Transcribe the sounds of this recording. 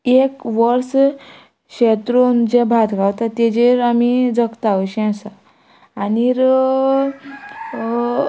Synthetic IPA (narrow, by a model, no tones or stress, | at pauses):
ekʋəɾs | ɕet̪ɾond͡ʑẽbʱat̪ɡawt̪at̪ed͡ʑeɾamid͡zəkt̪aʋəɕɛ̃ãsa | aniɾ